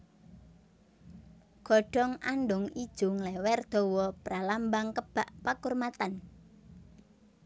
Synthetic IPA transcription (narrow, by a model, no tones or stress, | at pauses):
ɡ̥ɔ̤ɖ̥ɔ̤ŋʔanɖʊŋid̥ʒ̥ʊŋlɛwɛrd̪̥ɔ̤wɔpɾalambaŋkəb̥a̤ʔpakurmat̪an